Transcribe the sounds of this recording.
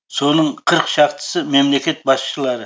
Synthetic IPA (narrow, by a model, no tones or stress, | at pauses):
so̞nəɴqʰəɾqʃɑqt̪ə̥səmemle̞kʲe̞t̪̚bɑsʃəlˠɑɾə